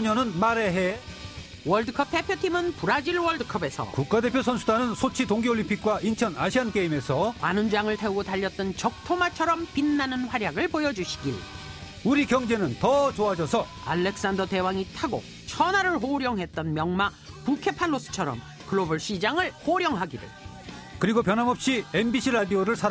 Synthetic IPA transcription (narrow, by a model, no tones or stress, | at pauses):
ɲʌnɯnmaɾeɦe | wʌɭdɯkʰʌp̚pʰepʰjotʰimɯnpuɾad͡ʑiɭwʌɭdɯkʰʌbe̞sʰʌ̰kuk̚k͈ade̞pʰjosʰʌnsʰudanɯnsʰot͡ɕʰitoŋɡioɭimpʰik̚k͈waʔint͡ɕʰʌnaɕʰiank͈eime̞sʰʌanund͡ʑaŋɯɭtʰeuɡotaʎːʌt̚t͈ɯnt͡ɕʌk̚tʰomat͡ɕʰʌɾʌmpinːanɯnɸwaɾjaɡɯɭpojʌd͡ʑuɕʰi̥ɡiɭ | uɾikjʌŋd͡ʑe̞nɯntʌt͡ɕoad͡ʑʌsʰʌ | a̰ɭːe̞k̚s͈andʌte̞waŋitʰaɡo̰ | t͡ɕʰʌnaɾɯɭɦoɾjʌŋɦe̞t̚t͈ʌnmjʌŋma | pukʰe̞pʰanːos͈ɯ̥t͡ɕʰʌɾʌ̰m | kɯɭobɯɭɕ͈id͡ʑaŋɯɭhoɾjʌŋɦaɡiɾɯ̰ɭ | kɯɾiɡopjʌnɦamʌp̚ɕ͈ienbiɕʰiɾadioɾɯɭsʰaɾa